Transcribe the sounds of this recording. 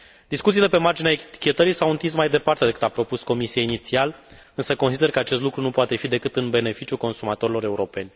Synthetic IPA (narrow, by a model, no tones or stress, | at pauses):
d̪iskut̪sile̞pe̞mard͡ʒineaet̪i̥kʲe̞t̪əɾisawunt̪ins̬majd̪e̞part̪ed̪ekɨt̪apɾo̞pusko̞misieinit̪sial | ɨnsəko̞nsid̪e̞rkəat͡ʃest̪lukɾunupoat̪e̞fid̪e̞kɨt̪ɨnbe̞ne̞fit͡ʃjulko̞nsumat̪o̞ɾilo̞ɾe̞uɾo̞pe̞nʲ